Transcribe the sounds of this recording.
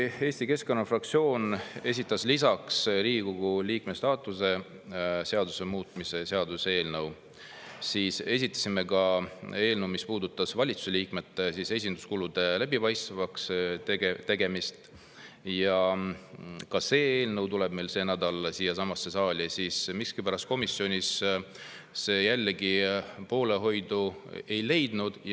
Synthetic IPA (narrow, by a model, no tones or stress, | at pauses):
e̞ːsʲt̪ike̞sko̞nːɑfrɑk̚t̪sio̞ːne̞s̬ʲit̪ːˑɑslisɑksɾiːikoɡ̥uliːkmest̪ɑːt̪ːˑuse̞ | se̞ɑd̪usemuːt̪ˑmise̞se̞ɑd̪usee̞ːlnɤw | siːse̞s̬ʲit̪ːˑɑ̥sime̞kɑe̞ːlnɤwmispuːd̪ut̪ːˑɑsvɑlʲit̪su̥se̞liːkme̞t̪ːesise̞s̬ʲind̪u̥skulud̪̥e̞læb̥ipɑjst̪vɑkst̪ɡet̪e̞ɡe̞mist̪ | jɑ | kɑse̞ːeːlnɤwt̪ule̞b̥me̞jlse̞ːnæd̪ɑlesiːjɑsɑmɑsːe̞sɑːlʲisiːsmikskipæɾɑst̪̚ko̞misːio̞nʲisː | e̞ːjælːeɡipo̞ːle̞ɦo̞jd̪̥ue̞jle̞jd̪nud̪̥